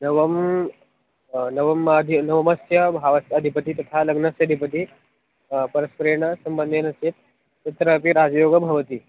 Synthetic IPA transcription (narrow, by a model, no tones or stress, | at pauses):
nɐʋɐm | nɐʋɐmɐd̪ʱinɐʋɐmɐsjɐbʱaʋɐsɐd̪ʱipət̪it̪ɐt̪ʰalɐɡnɐsjɐd̪ʱipət̪̬i | pɐɾɐspɾeɳ̃ɐsɐmbənd̪ʱenɐsit̪̚ | tɐt̪ɾɐpiɾad͡zjoːɡəbʱɐʋɐt̪iː